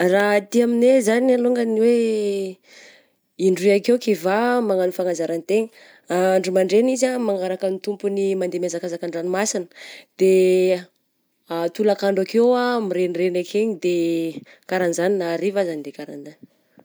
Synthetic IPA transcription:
rat̪iaminezanaluŋɡaniwe | iɳɖ͡ʐiakewkivamaŋanifaŋazaɾanit̪eɲə | aɳɖ͡ʐumaɳɖ͡ʐenizamaŋaɾakənit̪umpunimand̪emezakazakaɳɖ͡ʐanimasinə̥d̪̥e | at̪ulakaɳɖ͡ʐakewamiɾenrenakʰeɲid̪e | kaɾanzaninaɾivazanid̪ekaɾand̪an

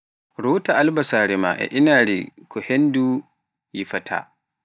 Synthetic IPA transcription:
ɾuːtaʔalbɐsaːɾima̰ʔɛ̰ʔɪnaːɾikɔhɛndu | jiɸɐtʰa̰

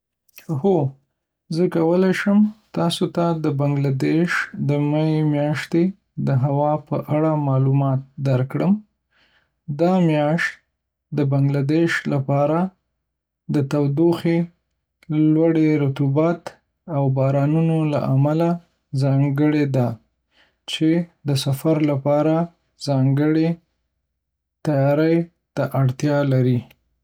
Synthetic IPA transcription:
ho | zəkawəlajʃəmt̪ɑsot̪ad̪əbaŋɡlad̪eʃd̪əmaemjɑʃt̪e | d̪əɦawɑpə̰ʔaɽamɑlumɑt̪̚d̪aɾkɽəm | d̪ɑmjɑʃt̪ | d̪əbaŋɡlad̪eʃlapɑɾa | d̪ət̪awd̪oxe | lwaɽeɾat̪ubɑt̪ | awbɑɾɑnunola̰ʔamala | zɑŋɡəɽed̪a | t͡ʃed̪əsafaɾlapɑɾa | zɑŋɡəɽe | t̪ajɑɾəj | t̪aʔaɽt̪jɑlaɾi

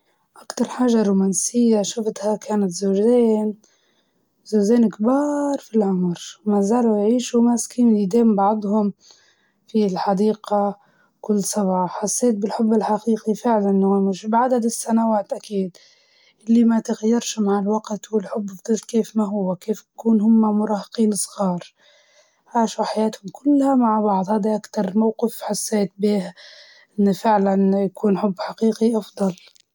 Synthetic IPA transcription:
ʔakt̪ɑɾˤħaːʒaɾˤuːmaːnsɪjːaʃʊft̪hakaːnat̪zoːʒeːn | zoːzeːnkbɑːɾˤfilʕʊmɾmazaːlujʕiːʃumaskiːnlid̪eːmbɑʕd̪ˤhʊm | filħɑd̪iːqa | kʊlːsˤɑbʕɑːħɑsˤːeːt̪̚bɪlħʊbːɪlħaqiːqifɪʕlanːomɪʃbʕad̪ad̪ɪsːanawaːt̪ʔakiːd̪ | ʔɪlːimat̪ɪɣajːɑɾˤʃmaʕɪlwaqt̪wɪlħʊbːfd̪ˤɑlkeːfmaɦʊwːakeːfakuːnhʊmːamʊɾˤɑːhɪqiːnɨsˤɣɑːɾˤ | ʕaːʃaħajaːt̪hʊmkʰʊlːhamaʕbɑʕd̪ˤhaːd̪iʔakt̪ɑɾˤmawqɪfħasːeːt̪̚biːh | ʔɪnːfɪʕlanjakuːnħʊbːħaqiːqiʔɑfd̪ˤɑl

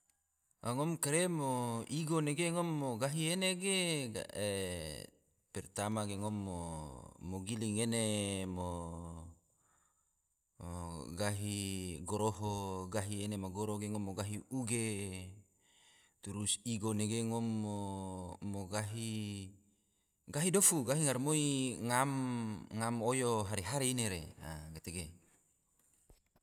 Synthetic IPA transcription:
aŋomkeɾemoiɡoneɡeŋomːoɡaɦieneɡeɡa̰e | pɛrt̪amaɡeŋomːoː | oɡiliŋenemo | ɡaɦiɡoɾoɦoɡaɦienemaɡoɾoɡeŋomoɡaɦiuɡe | t̪uɾusiɡoneɡeŋomːoː | oɡaɦi | ɡaɦidofuɡaɦiŋaɾmoiŋamŋamojoɦaɾeɦaɾeineɾea̰ɡet̪eɡe

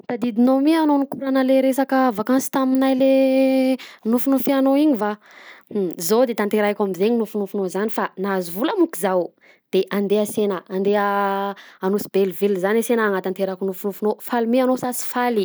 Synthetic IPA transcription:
t̪ad̪id̪inomianonikuɾanəleɾesakəvakansi̥t̪aminajle | nufunofianoiɲiva | zod̪et̪ant̪eɾajkʲamizeɲinufunufunozanifanazuvuləmukizaw | d̪̥eʔand̪easenəand̪eəː | nusi̥belvelzanesenaːŋat̪ant̪eɾakunufunufunofalimeanosasi̥fali

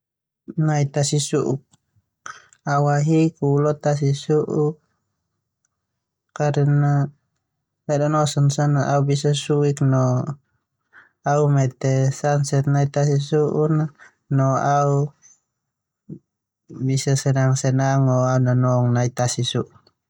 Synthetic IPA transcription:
nait̪asisuʔuk̚ | awaɦikulɔt̪as̬isuʔu | kaɾɛna | lɛdɔnɔsɔnsanaaubisasuiknɔ | aumɛt̪ɛsansɛt̪̚nait̪as̬isuʔuna | nɔau | bisasɛnaŋsɛnaŋɔaunanɔŋnait̪asisuʔu

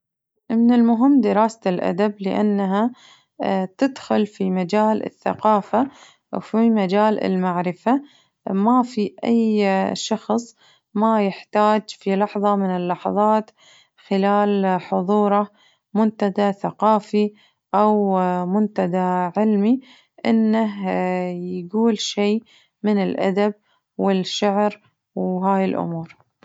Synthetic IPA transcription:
mɪnɪlmʊɦɪmːd̪ɪɾɑːsaɪlʔa̰d̪ablɪʔa̰nːaɦa | t̪ɪd̪xʊlfimad͡ʒaːlɪ̰θːa̰qɑːfa | fimad͡ʒaːlɪ̰lmaʕɾɪfa | mafiʔa̰jʃɑxsˤ | majɪħt̪aːd͡ʒfilɑħðˤɑmɪnɪlːɑħɑ̰ðˤɑːt̪ | xɪlaːlħʊðˤuːɾˤɑ | mʊnt̪ad̪aθaqɑːfi | ʔawmʊnt̪ad̪aʕɪlmi | ʔɪnːaɦjɡuːlʃeː | mɪnɪlʔa̰d̪ab̚ | wɪlʃaʕɾ | wɦaːjɪlʔʊ̰muːɾ

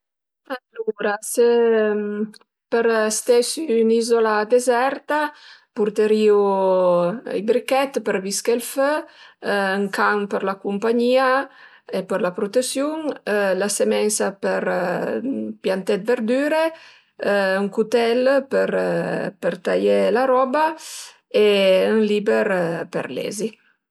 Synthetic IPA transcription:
aluɾasem | pəɾst̪ɛsynizolad̪ezɛɾt̪apuɾt̪eɾiṵ | jbɾikɛt̪pəɾviskelfø | ŋkampəɾlakumpaɲiːa | epəɾlapɾot̪esjuŋlasemɛnsapəɾ | pjant̪ɛt̪̚veɾd̪yːɾe | yŋkut̪ɛlpəɾpəɾt̪ajelaɾɔːba | eəŋlibeɾpḛɾlɛ̰zi

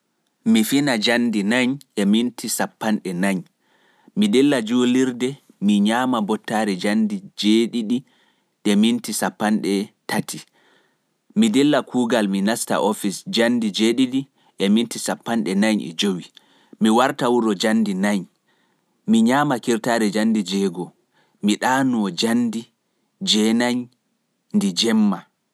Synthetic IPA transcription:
mifinad͡ʒandinaɲʔɛmintʰisapːanɗɛnaɲ | midɛlːad͡ʒuliɾdɛ | miɲaːmabɔtːaɾɛd͡ʒandid͡ʒeɗiɗi | ɗɛmintisapːanɗɛtʰatʰi | midɛlːakʰuːɡalminasta̰ʔɔfisd͡ʒandid͡ʒeːɗiɗi | ɗɛmintisapːanɗɛnaɲɛ̰d͡ʒowi | miwaɾtawuɾɔd͡ʒandinaɲ | miɲaːmakiɾtaːɾɛd͡ʒandid͡ʒɛɡɔ | miɗaːnuɔd͡ʒandi | d͡ʒɛnaɲ | ndid͡ʒɛmːa

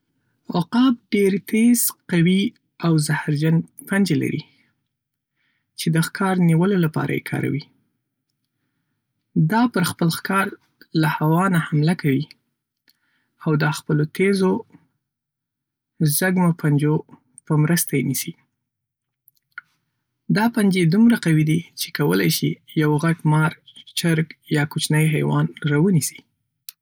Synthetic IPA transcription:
oqɑb̚ɖeɾt̪ʰez̥qawi | awzahɾd͡ʒanpand͡ʒela̰ɾḭ | t͡ʃed̪əxkʰɑɾniwəlolapɑ̰ɾʔa̰jḛkʰɑ̰ɾa̰wi | d̪ɑpəɾxpəlxkɑɾ | lahawɑnahamlakawi | awd̪əxpəlot̪ʰezo | zaɡmopʰand͡ʒo | pəmɾəst̪ajenisi | d̪ɑpand͡ʒed̪umɾaqawid̪it͡ʃe̥kawəlajʃijawɣaɡmɑɾt͡ʃaɾɡjɑkʊt͡ʃnəjɦajwɑ̰nɾɑwənisi̥

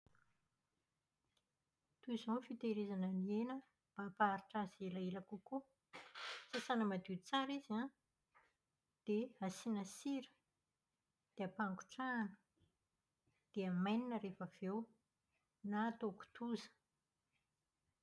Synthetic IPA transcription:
t̪uizonfit̪eɾezanənienə | b̥apaɾiʈ͡ʂazelaelakuku | sasanəmad̪it͡saɾizã | d̪̥easinəsiɾə̥ | d̪̥eapaŋku̥ʈ͡ʂaːnə̥ | d̪̥eamajninəɾefəv̥ew | nat̪oku̥t̪uzə̥

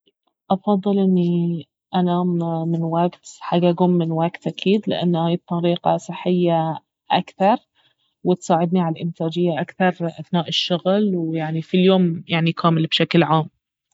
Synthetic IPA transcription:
ʔɑfɑðˤːɨlʔɪnːi | ʔanaːmmɪnwaɡt̪ħaɡʔaɡuːmːɪnwaɡt̪ʔakʰiːd̪lɪ̰ʔa̰nːhaːj̚t̪ˤːɑɾiːqɑ̰sˤɨħːɪjːa | ʔa̰kθɑɾˤ | wɪt̪sˤaːʕɪd̪niʕalalʔɪmt̪aːd͡ʒɪjːaʔakθɑɾˤʔaθnaːʔɪʃːʊɣlwjaʕnifiljoːmjaʕnikʰaːmɪlbʃaklʕaːm

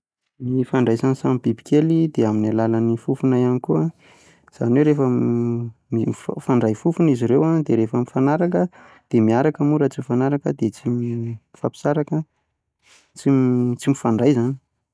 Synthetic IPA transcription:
nifaɳɖ͡ʐajzanisamibibi̥kʰelid̪eaminalalanifufunajanikua | z̥a̰nwewɾefə | mimiffaɳɖ͡ʐajfufuniziɾewad̪eɾefəmifanaɾakə | d̪̥emiaɾakamuɾat͡simifanaɾakəd̪et͡simifapi̥saɾakə | t͡simt͡simifaɳɖ͡ʐajzani̥

